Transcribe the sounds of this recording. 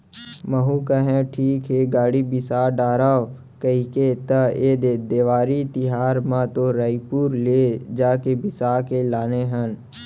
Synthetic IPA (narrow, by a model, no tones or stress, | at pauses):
məɦũkəɦẽʈʰiːkɦeɡaːɽibɪsaːɖaːɾaː | kəɦiket̪əeːd̪eːd̪eːʋaːɾit̪ɪɦaːɾmãt̪oɾəipuːɾleːd͡ʒaːkebɪsaːkelaːneɦən